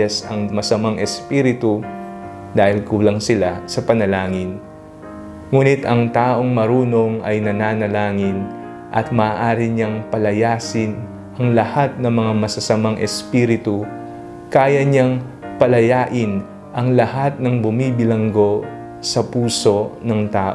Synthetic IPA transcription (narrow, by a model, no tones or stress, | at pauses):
ɐsɐŋmɐsɐmaŋʔɛspiːɾɪt̪u | d̪aːhɪlkuːlɐŋsɪlasɐpɐnɐlaːŋɪn | ŋuːnɪt̪ɐŋt̪aːʔo̞ŋmɐɾuːno̞ŋɐ̰jnɐnaːnɐlaːŋɪn | ʔɐ̰t̪̚mɐːʔaːɾɪɲɐŋpɐlɐjaːsɪn | ʔɐŋlɐhat̪̚nɐŋmɐŋamɐsɐsɐmaŋʔɛspiːɾɪt̪u | kaːjɐɲɐŋ | pɐlɐjaːʔɪn | ʔɐŋlɐhat̪̚nɐŋbʊmiːbɪlɐŋɡo̞ | sɐpuːso̞nɐŋt̪aːʔ